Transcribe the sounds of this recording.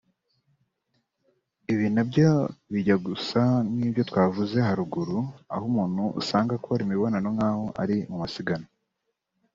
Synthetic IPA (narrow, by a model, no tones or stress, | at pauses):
iβiːnabɟoβiɟaɡusaniːβjo̞twaːvuze̞ɦaɾuɡuɾua̰humuːn̥huʔṵsaːŋɡakoaɾimiβo̞nanoŋaːhoʔa̰ɾimumasiɡana